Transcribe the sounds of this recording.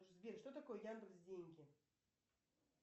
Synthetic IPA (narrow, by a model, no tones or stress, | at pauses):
ʂzbʲeɾʂt̪ot̪ɐkojəjand̪əksʲdʲenʲɡʲɪ